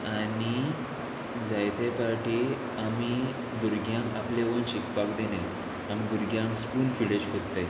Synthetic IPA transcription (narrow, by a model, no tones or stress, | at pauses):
ani | d͡zajt̪epaɾʈi | ami | buɾɡʱjãŋkapleʋənɕikpakd̪ene | amibuɾɡʱjãŋkspuːnfiɽet͡ɕkʰott̪ːaj